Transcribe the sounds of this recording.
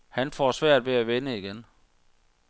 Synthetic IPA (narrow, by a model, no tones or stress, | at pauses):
hænfɒsʋæɐ̰d̥ʋeæʋenəiɡ̥en